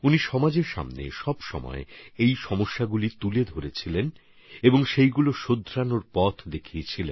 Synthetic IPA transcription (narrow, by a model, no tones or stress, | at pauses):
uniʃɔmad͡ʑeɾʃa̰mnḛʃɔbʃɔ̰mɔ̰eejʃɔmoʃːaɡulit̪uled̪ʱoɾet͡ɕʰilen | eboŋʃejɡuloʃod̪ʱːɾanoɾpɔt̪ʰd̪ekʰiet͡ɕʰilen